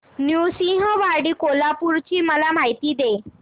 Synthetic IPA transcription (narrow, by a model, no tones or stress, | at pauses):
njusĩɦəʋaɾɽiːkolapuɾt͡ɕiːməlam̤ajt̪iːd̪e